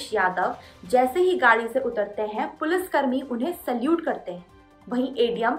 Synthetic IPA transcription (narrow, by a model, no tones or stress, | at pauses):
ʃjaːd̪əʋd͡ʒɛːseɦiɡaːɽiseʔʊt̪əɾt̪eɦɛ̃pʊlɪskɐɾmiʔʊnɦẽsɐljuːʈkɐɾt̪eɦɛ̃ | ʋɐɦĩʔeːɖijəm